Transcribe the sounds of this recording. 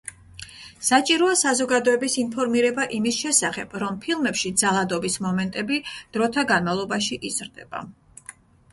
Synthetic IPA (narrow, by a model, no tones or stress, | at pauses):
sat͡ʃʼiɾɔasazɔɡad̪ɔɛbisinpʰɔɾmiɾɛbaʔimisʃɛsaχɛb̥ɾɔmpʰilˠmɛpʃid̪zalˠad̪ɔbismɔmɛnt̪ʼɛbid̪̥ɾɔt̪ʰaɡanmavlˠɔbaʃiʔizɾd̪ɛb̥a̰